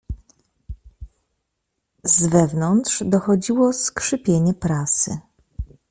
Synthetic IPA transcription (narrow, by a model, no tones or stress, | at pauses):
zvɛvnɔnt̪ʂd̪ɔxɔd͡ʑiwɔskʂɘpʲjeɲɛpɾasɘ̰